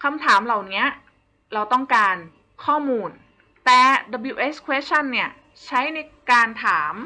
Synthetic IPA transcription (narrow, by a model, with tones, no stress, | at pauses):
kʰa˧mt̪ʰaː˩˦mla˨˩wni˦˥ɐ | ɾa˧wt̪ɔ˥˩ŋkaː˧n | kʰɔː˥˩muː˧n | t̪ɛː˨˩da˧bi˧˩ʔeː˦˥skʰwe˦˥s̚t͡ɕʰa˥˩nːi˥˩ɐ | t͡ɕʰa˦˥jna˧jkaː˧nt̪ʰaː˩˦m